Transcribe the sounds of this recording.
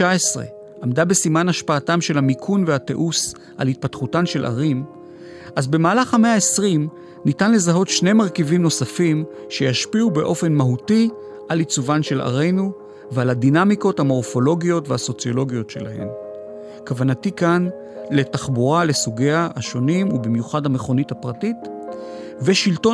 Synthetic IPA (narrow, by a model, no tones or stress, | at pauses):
aesʁḛ | ʔamdabe̞simanaʃpaːtamʃe̞lhamikʰunvehate̞̰ʔus | ʔa̰lhit̚patχutanʃe̞lʔa̰ʁim | ʔazbe̞maːlaχhame̞aesʁim | nitanle̞zaɦo̞tʃne̞jmaʁkivimno̞safim | ʃe̞jaʃpiubeʔo̞fe̞nmaɦuti | ʔalit͡suvanʃe̞la̰ʁe̞jnu | vealadinamiko̞thamo̞ʁfo̞lo̞ɡijo̞tvehaso̞t͡sijo̞lo̞ɡijo̞tʃe̞̰la̰he̞̰m | kavanatikan | le̞taχbuʁale̞suɡiahaʃo̞nimubimjuχadhame̞χo̞nithapʁatit | veʃilto